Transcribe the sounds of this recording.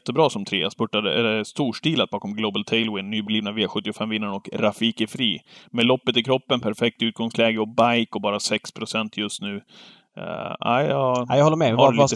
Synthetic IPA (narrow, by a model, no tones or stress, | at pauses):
t̪ːəbɾɑːsɔmt̪ʰɾḛːaspɵʈːad̪ə̰ɛlɛst̪uːʂʈiːlat̪bɑːkɔmɡlobalt̪ʰɛɪlwɪnːyːbɛliːvnaviaɧɵt̪ːɪʊfɛmvɪnːanɔkɾafiːkəfɾiːmelɔpːət̪ɪkʰɾɔpːənpʰæɾfɛk̚t̪ʉ̟ːt̪̚ɡɔŋslɛːɡəɔbajkɔbɑːɾasɛkspʰɾʊsɛnt̪ʰjɵst̪nʉ̟ː | æ̰ɪɑjaɔlːəɾmɛh